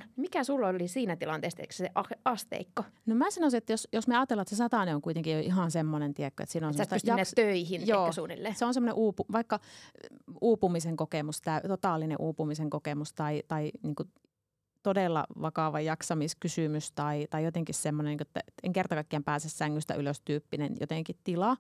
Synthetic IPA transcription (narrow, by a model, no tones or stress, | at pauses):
mikæsulːolːisiːnæt̪ilɑnt̪eːˑst̪æksseʔɑɑst̪ḛikːonomæːsɑnoˑsiet̪ːjosjosmeɑːt̪ːelːɑt̪sesɑt̪ɑˑneoŋkuit̪eŋkijoʔiɦɑˑnsemːonent̪iekːo̰ḛt̪siːnosesyst̪jɑnːet̪øihinjoːsuːnḭlːeseonsemːoneʔuːpuʋɑikːɑ | uːpumiseŋkokemust̪æyt̪ot̪ɑˑlːinḛʔuːpumiseŋkokemust̪ɑit̪ɑiniːŋku | t̪odeˑlːɑ̰ʋɑkɑˑʋɑjɑksɑmiskysymyst̪ɑit̪ɑijot̪eŋkissemːoneniːŋkoet̪ːæ̰et̪ḛŋkert̪ɑkɑkkiæmpæːsessæŋːyst̪æ̰yløst̪yːpːinenjo̰t̪eŋkit̪t̪ilɑ